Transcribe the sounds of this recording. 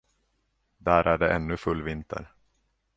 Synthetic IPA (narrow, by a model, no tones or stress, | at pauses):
d̪æːɾʔæɖɛʔɛnːɵfɵlːvɪnt̪ʰə̰ɾ